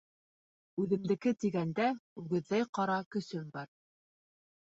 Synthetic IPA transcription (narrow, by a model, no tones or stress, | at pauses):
ʉðɘ̆md̪ɘ̆kɘt̪iɡænd̪æʉɡɘ̆ðːæjqɑɾɑkɵ̆sɵmbɑɾ